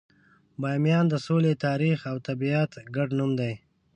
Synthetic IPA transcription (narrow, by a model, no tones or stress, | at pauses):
bɑjmjɑnd̪əsolet̪ɑːɾixawt̪abiat̪ɡaɖnumd̪aj